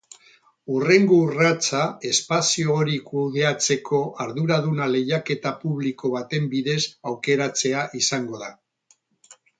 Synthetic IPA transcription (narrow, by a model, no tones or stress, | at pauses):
ure̞ŋɡorat͡sae̞spasioːɾikuðe̞at͡se̞kʰo̞ʔaɾðuɾaðunale̞jake̞t̪apuβliko̞β̞at̪e̞mbiðe̞sawke̞ɾat͡se̞aʔisaŋɡo̞ða